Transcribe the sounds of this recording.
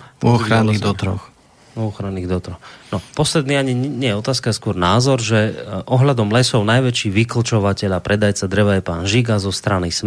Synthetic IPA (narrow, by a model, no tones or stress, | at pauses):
ɔxɾanːid̪ɔt̪ɾɔ̰x | ɔxɾanːiːɣd̪ɔt̪ɾɔxnɔpɔslɛd̪niːaɲiɲɛjɛɔt̪aːskajɛskʊɔɾnaːzɔɾʒɛʔɔɦʎad̪ɔmlɛsɔʊnajʋɛt͡ʃiːʋikl̩t͡ʃɔʋacɛʎapɾɛd̪ajt͡sad̪ɾɛʋajɛpaːnʒiɡazɔst̪ɾanis